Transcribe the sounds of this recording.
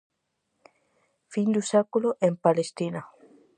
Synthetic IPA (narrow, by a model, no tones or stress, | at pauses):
find̪usakuloʔempalest̪ina